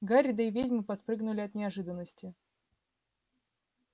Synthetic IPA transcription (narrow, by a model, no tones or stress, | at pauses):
ɡaɾʲɪd̪əɪvʲedʲmɨpɐt̪̚pɾɨɡnʊlʲɪɐt̪nʲɪɐʐɨd̪ənːəsʲtʲɪ